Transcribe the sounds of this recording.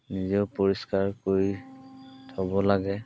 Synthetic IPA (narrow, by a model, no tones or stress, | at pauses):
nizɛʊpoɹiskaɹkoɹi | tʰɔbɔlaɡɛ